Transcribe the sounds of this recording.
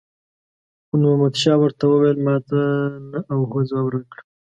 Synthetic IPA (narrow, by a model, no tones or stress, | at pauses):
xnuhamad̪ʃɑwəɾt̪awəwejlmɑt̪anaʔawhozwabɾakɽ